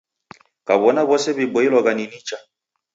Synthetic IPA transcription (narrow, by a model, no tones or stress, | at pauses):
kaβɔnaβɔsɛβiɡ͡bɔilɔɣaninit͡ʃa